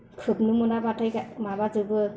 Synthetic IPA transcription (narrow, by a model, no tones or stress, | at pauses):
kʰɯp̚nɯmunabatʰɯjkamaβazɯbɯ